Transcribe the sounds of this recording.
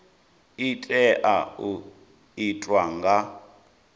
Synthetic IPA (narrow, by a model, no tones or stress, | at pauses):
itʼɛʔau | itʼwaŋɡa